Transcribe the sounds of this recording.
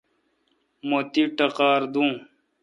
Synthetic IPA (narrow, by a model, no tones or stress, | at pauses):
mot̪iʈɐqaːɾd̪ũː